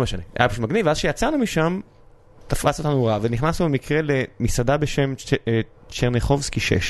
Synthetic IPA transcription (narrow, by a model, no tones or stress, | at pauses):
meʃanea̰jabpeʃut̪̚maɡnivazʃejat͡sanumiʃam | t̪aflasot̪anuʁaveniχnasnubemikʁe̞le̞misadabeʃem | t͡ʃeʁneχo̞vskiʃḛʃ